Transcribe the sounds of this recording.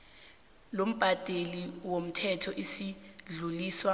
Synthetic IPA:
lom̩b̥ʱatʼeliwom̩tʰɛtʰɔʔisiɮuliːswa

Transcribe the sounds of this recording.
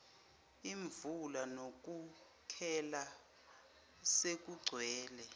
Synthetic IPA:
iɱvulanok̬ʼu | kʰɛla | sek̬ʼuɡ͡ǀʱwɛːlɛ

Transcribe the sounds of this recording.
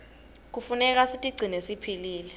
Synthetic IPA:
k̬ufunɛk̬asitʼiɡ͡ǀʱinesipʰiliːlɛ

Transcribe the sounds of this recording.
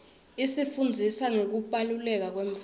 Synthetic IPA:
isifund͡zʱisaŋek̬uɓʼalulɛk̬ak̬weɱf

